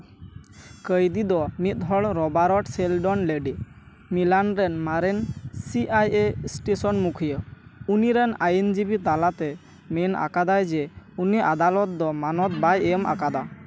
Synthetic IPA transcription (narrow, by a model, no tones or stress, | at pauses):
kəjd̪id̪ɔmit̪̚ˀɦɔɽɾɔbaɾɔʈsɛlɖɔnleɖi | milanɾɛnmaɾɛnsiʔajesʈesɔnmukʰijəuniɾɛnajɛnd͡ʒibit̪alat̪ɛ | menʔa̰kad̪ajd͡ʒɛuniʔad̪alɔt̪̚d̪ɔmanɔt̪̚bajɛmʔa̰kad̪a